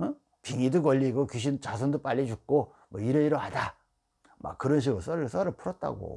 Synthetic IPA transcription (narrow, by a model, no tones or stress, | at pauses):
piŋidukʌʎːiɡokuɕ̬ʰint͡ɕas̬ʰʌndop͈aʎːit͡ɕuk̚k͈o | mwʌiɾeiɾʌɦada | ma̰k̚kːɯɾʌnɕ̬ʰiɡɯs͈ʌɾɯɭs͈ʌɾɯɭpʰuɾʌt̚t͈a̰ɡo̰